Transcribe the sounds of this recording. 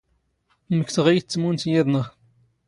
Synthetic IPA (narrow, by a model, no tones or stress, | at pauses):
məkθəʁijt͡sːəmunt̪jiðˤnəʁ